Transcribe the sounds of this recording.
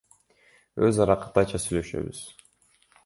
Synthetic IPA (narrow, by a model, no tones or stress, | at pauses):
øzɑɾɑqɯ̥t̪ɑt͡ʃʰɑsyjlø̞ʃø̞̰βy̰z̥